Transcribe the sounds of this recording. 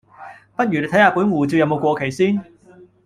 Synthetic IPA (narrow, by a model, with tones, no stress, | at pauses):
pɐ˥t̚jyː˨˩e˧t̪ʰɐ˨˥jhaː˨˧puː˨˥nwuː˨˩t͡siː˧jɐ˧wmo˨˧wkʷɔː˧kʰe˨˩jsiː˥n